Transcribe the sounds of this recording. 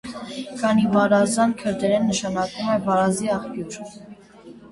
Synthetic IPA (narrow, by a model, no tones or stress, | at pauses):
kʰɑnivɑɾɑzɑnkʰəɾd̪ɛɾɛnːəʃɑnɑkumɛvɑɾɑziɑχpjuɾ